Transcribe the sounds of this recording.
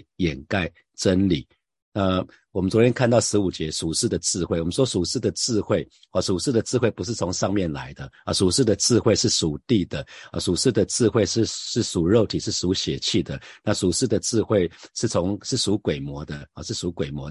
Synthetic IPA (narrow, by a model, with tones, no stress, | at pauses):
jɛ˨˩nka˥˩ɪ | ʈ͡ʂə˦nli˨˩˦ | na˥˨ | wɔ˨˩mə˦nt͡swɔ˧˦t̪ʰjɛ˥nkʰa˥˧nt̪ɑ˥˩ʊʂɻ̩˧˥u˨˩t͡ɕjɛ˧˥ʂu˨˩ʂɻ̩˥˩d̪ə˩t͡sɹ̩˥˧xwe˥˩ɪwɔ˨˩mə̃˦n˥ʂwɔ˥su˨˩ʂɻ̩˥˩d̪ə˩t͡sɹ̩˥˧xwe˥˩ɪ | ɑ˨˩su˨˩ʂɻ̩˥˩d̪ə˩t͡sɹ̩˥˧we˥˩ɪpu˧˥ʂ̬ɻ̩˥˩t͡sʰo˧˥ŋʂɑ˥˧ŋmjɛ˥˨nla̰˧˦ɪd̪ə˧su˨˩ʂɻ̩˥˩d̪ə˩t͡sɹ̩˥˧xwe˥˧ɪʂɻ̩˥˩su˨˩t̪i˥˩d̪ə˩ə̰˨˩su˨˩ʂɻ̩˥˩d̪ə˩t͡sɹ̩˥˧xwe˥ɪʂ̩˥˩ʂɻ̩˥˩su˨˩ɻo˥˩ʊt̪ʰi˨˩ʂɻ̩˥˩su˧˥ɕjɛ˨˩t͡ɕʰi˥˩d̪ə˩na˥˨su˨˩ʂɻ̩˥˩d̪ə˩t͡sɹ̩˥˧xwe˥˧ɪʂɻ̩˥˩t͡sʰo˧˥ŋʂɻ̩˥˩su˧˥kwe˨˩ɪmwɔ˧˥d̪ə˧ɑ˨˩ʂɻ̩˥˩su˧˥kwe˨˩ɪmwɔ˧˥